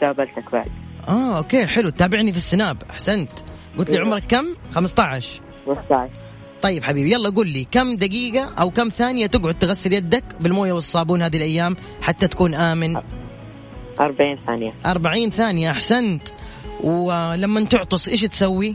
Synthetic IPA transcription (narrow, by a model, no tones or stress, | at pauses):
d̪aːbalt̪akba̰ʕd̪ʔaːʔoːkeːħɪlut̪ːaːbɪʕnifisːɪnaːbʔaħsant̪ | ɡʊt̪liʕʊmɾˤɑkːamːxamst̪ˤɑʕɪʃ | xamɪst̪ɑʕʃ | t̪ˤɑjːɪbħabiːbjalːˤɑːɡuːlːikamːd̪aɡiːɡaʔawkamːθaːnɪjat̪ɪɡʕʊd̪̚t̪ɪɣasːɪljad̪ːakbɪlmoːjawɪsˤːɑːbuːnhaːðilʔajːaːm | ħat̪ːat̪ḁkuːnʔaːmɪn | ʔɑɾˤbaʕiːnθaːnɪjaʔɑɾˤbaʕiːnθaːnɪjaʔaħsant̪ | wlamːant̪ʊʕt̪ˤɨsˤʔeːʃt̪sawːi